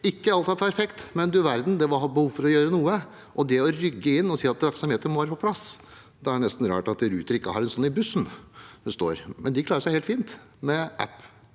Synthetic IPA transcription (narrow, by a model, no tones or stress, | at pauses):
ɪkːəɑlt̪ʰɑt̪pʰæɾfɛkt̪mɛnd̪ʉʋæɾd̪n̩d̪ɛʋɑhɑbəhuːʋfɔɾɔjøːɾənuːə | ʔɔd̪ɛɔɾʏɡːəɪnːɔsiːɑt̪̚d̪ɾɑksɑmheːt̪ənmɔʋɑːɾəpɔplɑs | d̪ɛæɳɛst̪n̩ɾɑ̰ːʈɑt̪̚d̪ɾʉːt̪əɾɪkːəhɑɾɛnsɔnːɪbʉsːnhʉst̪o̰ːɾmɛnd̪ɪkʰlɑːɾəʂæɪheːlt̪fiːnt̪ | mɛʔæ̰pː